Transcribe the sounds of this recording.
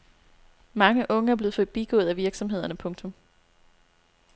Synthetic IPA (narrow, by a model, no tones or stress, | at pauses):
mɑ̈ŋəʔɔ̽ŋəæɐb̥le̝ːð̩ˠfɔðˠb̥iɡ̥ɔ̽ːð̞̩ˠæʋiɐɡ̥sɒ̽mɦe̝ð̞̰ˠɐnəpʰɔ̽ŋt͡sʰɔ̽m